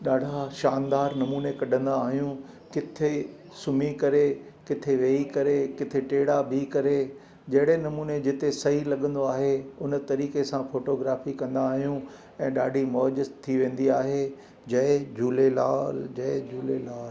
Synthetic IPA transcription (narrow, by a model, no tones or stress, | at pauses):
ɗaːɖʱaʃaːnd̪aːɾnɐmuːnekɐɗə̃nd̪aːɦijũ | kɪt̪ʰe | sʊmikɐɾekɪt̪ʰeʋeːikɐɾekɪt̪ʰeʈeːɽabʱikɐɾe | d͡ʑɐɦɪɽenɐmuːned͡ʑɪt̪esɐɦilɐɠə̃nd̪oaːɦeʊnt̪ɐɾiːkesãfoːʈoːɡɾaːfikɐ̃nd̪aːɦijũ | ɛ̃ːɗaːɖʱimɔːʄɪzt̪ʰːiʋẽːn̆d̪iaːɦe | d͡ʑɐɪd͡ʑuːlelaːld͡ʑɐɪd͡ʑuːlelaːl